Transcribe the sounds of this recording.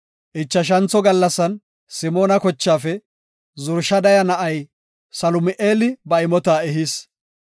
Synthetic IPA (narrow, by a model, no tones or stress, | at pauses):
ʔɪt͡ʃːɐʃ̬ɐnt͡sːɔɡɐlːɐsːɐn | sɪmo̞ːnɐkɔt͡ʃːaːfɛ | zʊɾʃɐd̪ɐjɐnɐʔɐj | sɐlʊmɪʔeːlɪbɐɪmɔt̪aːɛɦis